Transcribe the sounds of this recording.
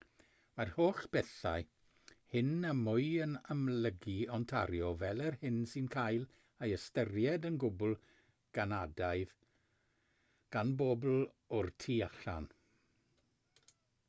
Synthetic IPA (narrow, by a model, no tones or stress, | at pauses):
marhoːχb̥ɛθa̰j | hɪnəmʊɨənamləɡiɔntʰaɾjɔvɛlˠɛrhɪnsɪnkʰajlˠ | ajəstərjɛdənɡʊbʊlˠ | ɡ̥anadajð | ɡ̥anbobl̩ˠ | ʊrtʰiːaɬa̰n